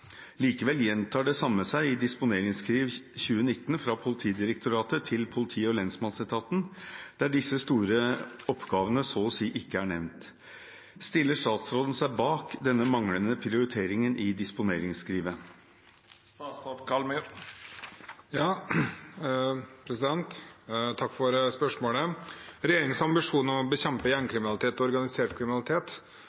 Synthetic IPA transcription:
liːkəʋɛljɛnt̪ʰɑːɖɛsɑmːəsæɪɪd̪ɪspʊneːɾɪŋskʰɾiːʋçʉːənɪt̪ːn̩fɾɑpʰʊlɪt̪ʰiːd̪ɪɾəkt̪ʰʊɾɑːt̪ət̪ʰɪlpʰʊlɪt̪ʰiːəɔlɛnsmɑnsɛt̪ʰɑːt̪nd̪̥æɖɪsːəst̪uːɾəɔpɡɑːʋənəsoːsiːʔɪkːəæɳɛʋnt̪ | st̪ɪlːəʂt̪ɑːt̪sɾoːd̪ən̩sæɪbɑːkd̪ɛnːəmɑŋɽənəpʰɾɪʊɾɪt̪ʰeːɾɪŋənʔɪd̪ɪspʊneːɾɪŋskɾiːʋə | pɑːʈkʰɑlm | jɑː | pʰɾɛsɪd̪ɛnt̪t̪ʰɑkːfɔɾspœʂmoːləɾɛjeːɾɪŋəŋsɑmbɪʂuːnɔmɔbəçɛmpəjæɳkʰɾɪmɪnɑlɪt̪ʰeːt̪ɔɔɾɡɑnɪseːʈkʰɾɪmɪnɑlɪt̪ʰeːt̪

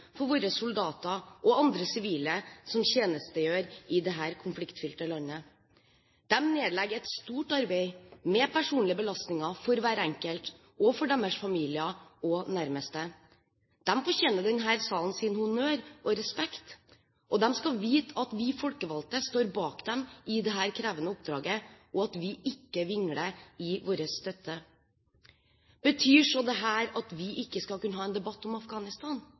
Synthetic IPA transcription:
fɔɾʋoːɾəsʊld̪ɑːt̪ɑʔɔɑnd̪ɾəsɪʋiːləsɔmçeːnəst̪əjøːɾɪd̪ɛɦæːɾkʰʊnflɪkt̪fʏlʈ̪əlɑnːə | d̪̥ɛmneːd̪lɛɡɛt̪st̪uːʈɑɾbeɪmɛpʰæʂuːnlɪəbəlɑst̪nɪŋɑfɔɾʋæːɾɛŋkəlt̪ | ɔfɔɖɛmːəʂfɑmiːlɪəɔnæɾməst̪ə | d̪̥ɛmfɔɾçɛːnəɖɛnɦæːɾsɑːln̩sɪnhʊnøːɾʔɔɾɛspɛkt̪ | ʔɔd̪ɛmskɑʋiːt̪ʰɑt̪ʋɪfɔlkəʋɑlt̪əst̪oːɾbɑːkd̪ɛmɪd̪ɛɦæːɾkʰɾæːʋənəʊp̚d̪ɾɑːɡəʔɔɑt̪ʋɪʔɪkːəʋɪŋɽəɪʋoːɾəsst̪œt̪ːə | b̥ət̪ʰyːʂɔd̪ɛɦæːɾɑt̪ʋɪʔɪkːəskɑlkʉnəɑːɛːnd̪ɛbɑt̪ːɔmɑfɡɑːnɪst̪ɑːn

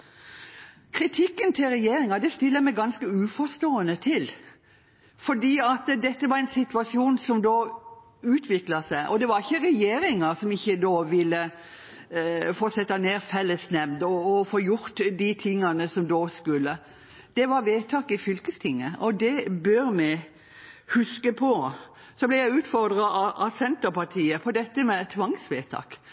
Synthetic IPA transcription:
kʰɾɪt̪ʰɪkːənt̪ʰɪlɾɛjeːɾɪŋɑd̪ɛst̪ɪlːəmɛɪɡɑnskəʉːfɔst̪oːənət̪ʰɪl | fɔɖiːɑt̪d̪ɛt̪ːəʋɑɾɛɪnsɪt̪ʉɑsɪuːnsɔmd̪oː | ʉːt̪ʰʋɪklɑsæɪʔɔd̪ɛʋɑɾɪçːəɾɛjeːɾɪŋɑsɔmɪçːəd̪oːʋɪlːə | foːsɛt̪ːɑneːɾfɛlːəsnɛmd̪ɔːfoːjʊɾt̪d̪it̪ʰɪŋːɑnəsɔmd̪oːskʉlːə | d̪̥ɛʋɑɾʋeːt̪ʰɑːkɪfʏlkəst̪ʰɪŋːəʔɔd̪ɛbœɾmɛ | hʉskəpʰɔ | sɔblɛjæɪʉːt̪fɔɾd̪ɾɑɑʔɑsɛnt̪əpɑt̪ʰiːəpʰɔd̪ɛt̪ːəmɛt̪ʰːʋɑŋsʋeːt̪ʰɑ̰ːk

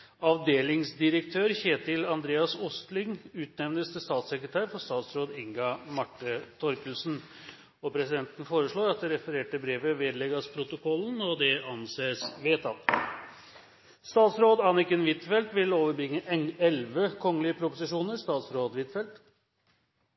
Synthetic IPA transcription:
ɑʋd̪eːlɪŋsd̪ɪɾəkt̪ʰøːɾçeːt̪ɪlɑnd̪ɾeːɑsʊst̪lɪŋʉːt̪nɛʋnəst̪əst̪ɑːt̪sɛkɾət̪ʰæːɾfɔst̪ɑːt̪sɾoːd̪ɪŋɡɑmɑʈːət̪ʰɔɾkəlsn | ɔpʰɾɛsɪd̪ɛnt̪n̩foːɾəʂɭoːɾɑt̪̚d̪ɛɾɛfəɾeːʈəbɾeːʋəʋeːd̪lɛɡɑspʰɾʊt̪ʊkʰɔlːənɔd̪ɛɑnseːsʋeːt̪ɑl | st̪ɑːt̪sɾoːd̪ɑnɪkənʋɪt̪fɛlt̪ʋɪloːʋəɾbɾɪŋːəʔɛɛlʋəkʰɔŋːəlɪəpʰɾʊpʊsɪʂuːnəɾst̪ɑːt̪sɾoːd̪ʋɪt̪fɛlt̪

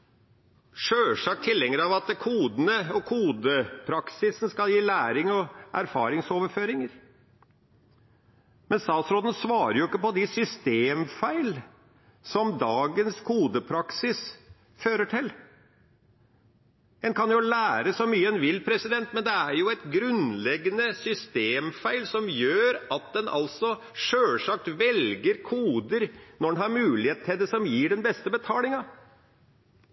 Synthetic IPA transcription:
ʂøːʂɑk̚t̪ʰɪlːɛŋːəɾɑʋɑt̪̚kʰuːd̪ənəɔkʰuːd̪əpʰɾɑksɪsn̩skɑljiːlæːɾɪŋɔʔæɾfɑ̰ːɾɪŋsoːʋəɾføːɾɪŋəɾ | mɛnst̪ɑːt̪sɾoːd̪n̩sʋɑːɾəɾjʊɪkːəpɔd̪ɪsʏst̪eːmfæɪl | sɔmd̪ɑːɡənskʰuːd̪əpʰɾɑksɪs | føːɾəʈʰɪl | ɛnkʰɑnjʊlæːɾəsɔmyːəɛnʋɪlpʰɾɛsɪd̪ɛnt̪mɛnd̪ɛæɾjʊɛt̪ɡɾʉnlɛɡːənəsʏst̪eːmfæɪlsɔmjøːɾɑt̪̚d̪ɛnʔɑ̰lsɔ | ʂøːlʂɑk̚t̪ʋɛlɡəɾkʰuːd̪əɾnɔɖɛnhɑɾmʉːlɪeːt̪t̪ʰɛd̪əsɔmjiːɖɛnbɛst̪əbət̪ʰɑːlɪŋɑ

